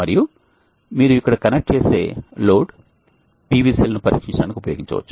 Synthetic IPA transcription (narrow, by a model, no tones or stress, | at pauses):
mɐɾiju | miːɾuikːɐɽɐkɐnek̚ʈ̚t͡ʃeːseːloːɖ | piːʋiːsiːlɐnupɐɾḭːkʂiɲt͡ʃaːnikiupɐjoːɡiɲt͡ʃɐ̰ʋɐ̰t͡ʃːu̥